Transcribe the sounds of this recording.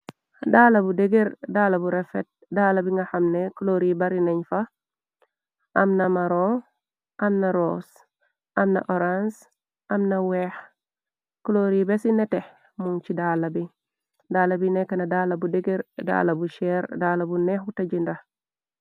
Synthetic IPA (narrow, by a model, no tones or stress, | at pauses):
dalabudeɡeɾdaːlabuɾefet̚dalabiŋɡaxamnekloɾibaɾinɐɲfa | ʔɐmnɐmaɾo | ʔɐmnaɾoːs | ʔɐmnɐ̰ʔoɾans | ʔɐmnawɛx | kloɾibesineteh | munt͡ʃidaːlabi | daːlabinɛkanadaːlabudeɡeɾda̰ːlabuʃɛɾdaːlabunɛxutaɟinda